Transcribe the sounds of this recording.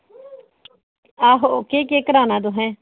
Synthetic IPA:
aːɦokeːkeːkəɾaːnãːd̪oːɦɛ̃ː

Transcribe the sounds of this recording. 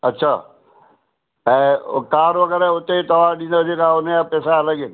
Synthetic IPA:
ɐtːʃʰaː | ɛ̃ːkaːɾʋɐɡəɾɛʊt̪et̪ɐʋaːɗĩnd̪ad͡ʒekaʊnejapɛːsaɐləɡen

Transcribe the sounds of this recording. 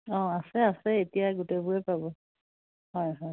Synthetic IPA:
ɔ̃asɛasɛetijaɡutebʊɹɛpabɔ | ɦɔjɦɔj

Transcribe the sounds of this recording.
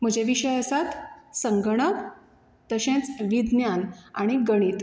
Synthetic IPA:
m̤əd͡ʑeʋiɕəjəsat̪sə̃ŋɡɳ̃ək | t̪əɕẽt͡sʋid̪njanaɽ̃iɡəɽ̃iːt̪

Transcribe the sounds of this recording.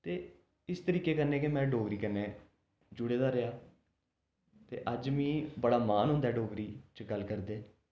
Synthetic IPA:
t̪eː | ɪst̪əɾiːkeːkənːẽːkɪmɛ̃ːɖoːɡɾiːkənːeː | d͡ʒʊɽeːd̪aːɾəjaː | t̪ḛːʔəd͡ʒʋĩːbəɽaːmaːnɦʊ̃nd̪ɛːɖoːɡɾiːt͡ʃəɡəlkəɾd̪eː

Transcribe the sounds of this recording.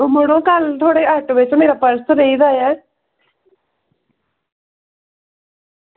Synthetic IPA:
məɽõːkəlt̪ʰoːɽeːəʈʋɪt͡ʃmeːɾaːpəɾsɾəiːd̪aːjɛː

